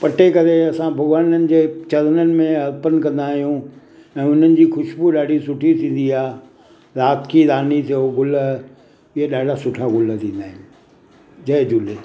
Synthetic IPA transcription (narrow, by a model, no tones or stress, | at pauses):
pɐʈekɐɾeɐsãbʱɐɣʋaːnənɪ̆d͡ʑeːt͡ɕɐɾənənɪ̆mẽɦɐɾpənkɐ̃nd̪aːɦijũ | ɛ̃ːʊn̤ənɪ̆d͡ʑiːxʊʃbuɗaːɖʱisʊʈʰit̪ʰĩːn̆d̪iaː | ɾaːt̪kʰiɾaːnit̪ʰeoɡʊl | ɪɦeɗaːɖʱasʊʈʰaɡʊlt̪ʰĩːnd̪aːɦɪnɪ̆ | d͡ʑɐɦd͡ʑʊle